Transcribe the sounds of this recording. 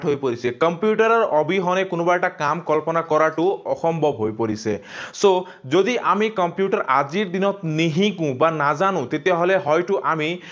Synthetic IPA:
ʈɦojpɔɾisekɔmpjuʈaɾɔɾɔʔɔbʱiɦɔnekunɔbaeʈakamkɔlpɔnakɔɾaʈuɔxɔmbʱɔbɦojpɔɾiseso | d͡ʒod̪iʔamikɔmpjuʈɔɾʔad͡ʒiɾd̪inɔt̪niɦĩkũbanad͡ʒanũt̪et̪eaɦɔleɦɔjʈuʔami

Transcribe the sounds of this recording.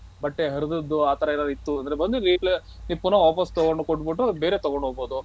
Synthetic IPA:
bɐʈːeɦɐɾud̪ɐd̪ːuaːt̪ɐɾɐilɐit̪ːuɐnd̪ɾebɐnd̪uɾiːʈlenipːunɐaːpɐst̪ɔɡoɳɖukoʈːbiʈːube̞ːɾeːt̪ɔɡoɳɖɦoːɡboːd̪u

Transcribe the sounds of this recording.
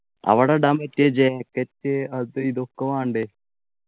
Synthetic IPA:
ɐ̰ʋɐɽɐɖɐmɐtːed͡ʒekːɐtːeɐðɨiðokːeʋaːɳɖe

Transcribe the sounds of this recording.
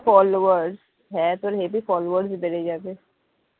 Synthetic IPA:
fɔːlːʋəɾɖz | ɦɛt̪oɾɦeːbifɔːloʋəɾɖsibeɽed͡ʒaːt̪e

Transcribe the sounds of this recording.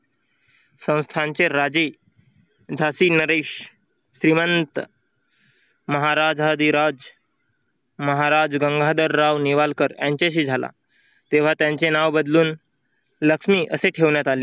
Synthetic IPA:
sə̃w̃st̪ʰaɲt͡seɾad͡zi | d͡zʱasiːnəɾeɕ | ɕɾimənt̪ | məɦaɾad͡zɦad̪iɾad͡z | məɦaɾad͡zɡəŋɡʱad̪əɾːaʋniʋalkəɾjãɲt͡ɕeɕ̬iːd͡zʱala̰ | t̪eʋ̤at̪jãɲt͡senaʋbəd̪luːn | ləkʂmiːʔəseʈʰeʋɳjat̪aleː

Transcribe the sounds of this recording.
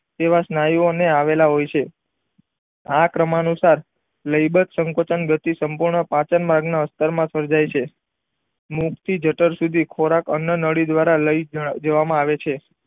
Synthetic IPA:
t̪eʋasnajioneaʋelaɦojt͡ʃʰe | akɾəmanusaɾ | ləjbət̪səŋkot͡ʃənɡət̪isəmpuɾɳəpãt͡ʃənmaɾɡnaəst̪əɾmãsəɾd͡ʒajt͡ʃʰe | mukt̪ʰid͡ʒəʈəɾsud̪ʱikʰoɾakə̰njənəɽid̪ʋaɾaləjd͡ʒəʋamãaʋet͡ʃʰe

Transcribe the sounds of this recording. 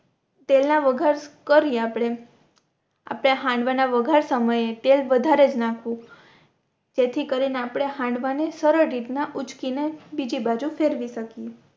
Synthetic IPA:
t̪elnaʋəɡʱaɾkəɾieapɽ̃e | a̰pɽ̃eɦãɳɖʋanaʋəɡʱaɾsəməjet̪elʋəd̪ʱaɾed͡ʒnãkʰʋũ | d͡ʒet̪ʰikəɾineapɽ̃eɦãɳɖʋanesəɾəɾːit̪naʔut͡ʃkinebid͡ʒibad͡ʒufeɾʋiʃəke

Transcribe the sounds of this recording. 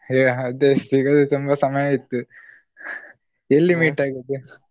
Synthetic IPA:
jaːɐd̪eːst̪iɡɐd̪ut̪umbɐsɐmɐjait̪ːu | elːimiːʈaːɡid̪ːu

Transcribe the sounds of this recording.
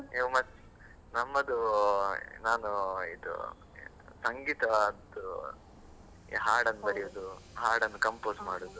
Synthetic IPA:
emɐs | nɐmːɐd̪u | naːnuid̪ṵ | sɐŋɡiːt̪ɐad̪u | ḭɦaːɾɖɐnːubɐɽijoːd̪uɦaːɾɽɐnːukɐmpoːsmaːɽoːd̪u

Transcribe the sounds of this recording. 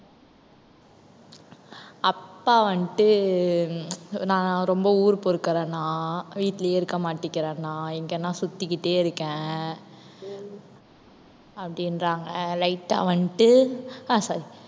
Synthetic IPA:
ɐpːaːʋɐɳʈːɯ | nãːɾɔmbɐuːɾɯpɔɾɯkːɪɾɐ̃nãːʋiːt̪ːɪljeːɪɾɯkːɐmaːʈːɪkːɪɾẽːnãːɛŋɡɐɛnːãːsʊt̪ːɪkːɪʈːeːɪɾɯkːẽː | ɐpːɐɽɪnɾaːŋɡɐlɐɪʈːa̰ːʋɐɳʈːɯãːsɐɾi

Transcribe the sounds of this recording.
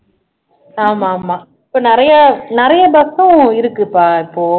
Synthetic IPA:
aːmaːmaː | ɪpːoːnɪɾɐjɐnɪɾɐjɐbɐt̪ːʊ̃ɪɾɯkːɯpːaːɪpːoː

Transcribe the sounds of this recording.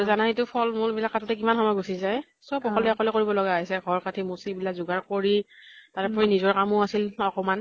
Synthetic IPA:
zanaɦetʊpʰɔlmʊɹbilakːatutɛk̬imanxɔmɔjɡusizaj | sɔpɔkʰɔlɛakɔlɛkoɹibɔlɔɡaaɦisɛɡʱɔɹkatʰimusibilakzuɡaɹkoɹitaɹpɔɹinizɔɹkamʊasilɔkɔman

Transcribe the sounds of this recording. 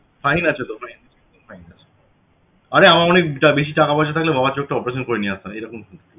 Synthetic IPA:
fajnat͡ɕʰet̪ofajnit͡ɕʰk̪onfajnat͡ɕʰe̥ | aɾeamaɾɔnek̚ʈabeʃ̬iʈakapaʃat̪ʰaklebʱabat͡ɕok̚ʈaɔpeɾeʃonkoɾeniasaejɾɔkʰonkun

